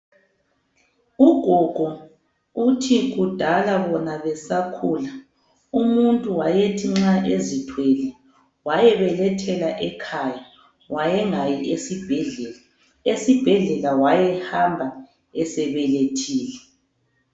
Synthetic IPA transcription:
uɡ̥ʱɔɡ̥ʱɔ | utʰiɣud̥ʱalaβɔnaβɛsakʰuːla | umuntʼuwajetʰiŋ͡ǁaʔezitʰwɛlɛ | wajɛβɛlɛtʰɛlaʔɛkʰaja | wajɛŋajiʔesib̥ʱɛɮɛ | esib̥ʱɛɮɛlawajɛhambʱa | ɛsɛβɛletʰiːlɛ

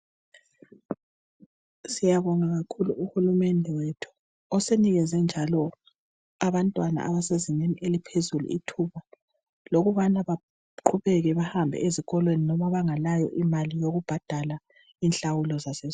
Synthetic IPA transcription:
sijaβɔŋaɣakʰuluʔuhulumɛndʱɛwetʰu̥ | ɔseniɣɛzɛnd͡ʒʱalɔ | aβantʼwana̰ʔaβaseziɲeniʔelipʰezulṵḭtʰuβa | loɣuβanaβa | ǃʰuβɛɣɛβahambʱɛ̰ʔeziɣɔlweninɔmaβaŋalajɔ̰ʔimalijoɣub̥ʱad̥ʱala | inɬawulɔzasɛz

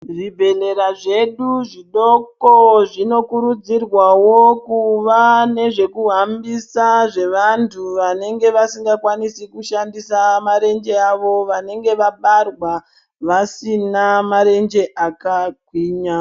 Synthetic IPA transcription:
ʐibʱe̞le̞ɾaʐe̞ɗuʐiɗokoʐino̞kuɾud͡zirwawokuʋane̞ʐe̞kuɦambisaʐe̞ʋantʰuʋane̞ŋɡe̞ʋasiŋɡakwanisikuʃandisamaɾe̞nd͡ʒe̞aʋo̞ʋane̞ŋɡe̞ʋaɓarwa | ʋasinamaɾe̞nd͡ʒe̞ʔakaɡʱwiːɲa

